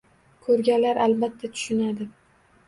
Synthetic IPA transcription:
kʰɵɾɡʲanlaɾʔalbat̪ʰːat̪ʰʊ̥ʃɪnad̪ɪ

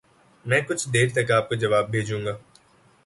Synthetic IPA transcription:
mɛ̃ːkʊt͡ʃʰd̪eːɾt̪ɐkaːp̚kod͡ʒɐʋaːbbʱeːd͡ʒũːŋɡaː

